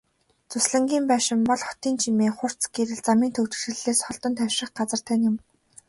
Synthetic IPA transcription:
t͡sʊsɮə̆ŋɡʲiːmpæːʃɪ̆mpɔɮχɔt̪iːnt͡ɕʰimeːχʊr̥t͡sɡeɾɘ̆ɮt͡samiːnt̪ʰɵwt͡ɕɘ̆t͡ɕɘ̆ɮeːsχɔɮt̪ɞ̆nt̪ʰæwʃɪ̆χɢat͡sə̆r̥t̪ʰæːnʲʊ̆m

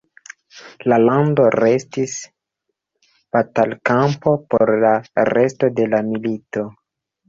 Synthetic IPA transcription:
lalando̞ɾe̞stis | b̥atalkampo̞poɾlaɾe̞sto̞de̞lamilito̞

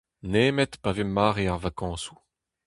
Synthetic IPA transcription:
neːmɛt̪pavemːaːʁeaʁvakɑ̃ːsu̥

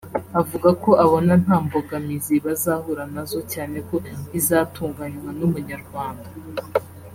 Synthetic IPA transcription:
avuɡako̞ʔaβonan̥haːmboɡamiziβazaːhuɾanazo̞caːne̞ko̞izaːtuːŋɡaɲwanumuɲaɾɡwaːnda

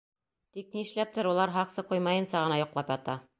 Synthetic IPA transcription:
t̪ik̚niɘ̆ʃlæp̚t̪ɘɾulˠɑɾɦɑqsɤqujmɑjɤ̆nsɑʁɤ̆nɑjŏqlˠɑpjɑt̪ɑ

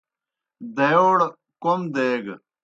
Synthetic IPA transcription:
d̪ejoːɽ | komd̪eːɡ

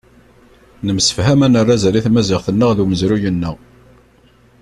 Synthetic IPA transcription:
nəmsə̥fhæmænərˤːazæliθmæzɪʁθənːəʁðuməzɾujənːəʁ

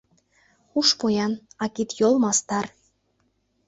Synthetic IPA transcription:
uʃpojɑnɑkit̪jolmɑst̪ɑr

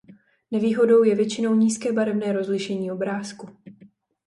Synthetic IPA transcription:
nɛviːɦo̞do̞wjɛvjɛt͡ʃɪno̞wɲiːskɛːbaɾɛvnɛːɾo̞zlɪʃɛɲiːo̞bɾaːsku

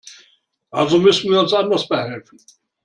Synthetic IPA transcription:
ʔalzomʏsn̩viːɐʊnsʔandɐsb̥əhɛlfn̩

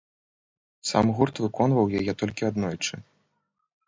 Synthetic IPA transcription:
sa̰mɣurt̪vɨkɔnvɐwjajɛt̪ɔlʲkʲiad̪nɔjt͡ʂɨ

